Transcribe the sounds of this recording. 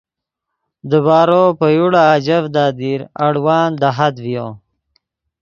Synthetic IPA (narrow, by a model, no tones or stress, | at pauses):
d̪əbɑːɾoːpəjuɽaːd͡ʒavd̪ɑːd̪iɾaɽwɑːnd̪aɦad̪vijo